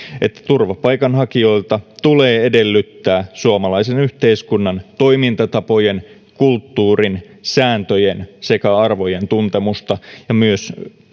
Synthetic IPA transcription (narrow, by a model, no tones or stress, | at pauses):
et̪ːæ̥t̪urʋɑpɑjkɑnɦɑkio̞ilt̪ɑt̪uleːede̞lːyt̪ːæːsuɑmɑlɑisenyht̪eiskunːɑnt̪o̞imint̪ɑt̪ɑpo̞jen | kult̪ːuːrin | sæːnt̪øjensekæɑrʋo̞jent̪unt̪emust̪ɑjɑmyøs